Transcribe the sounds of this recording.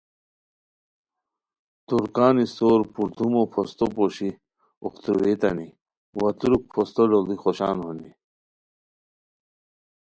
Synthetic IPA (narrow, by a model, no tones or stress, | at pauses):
t̪uɾkaːnist̪oːɾpuɾt̪umopʰost̪opoɕi | oxt̪ɾuwet̪ɐ̰ni | wɐt̪uɾuk̚pʰost̪oɖolixoɕa̰ːnɦoni